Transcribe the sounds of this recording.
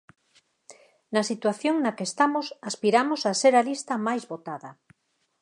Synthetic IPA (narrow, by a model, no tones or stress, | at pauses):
nɐsit̪waθjoŋnakest̪amosaspiɾamosaseɾalist̪ɐmajzβot̪aðɐ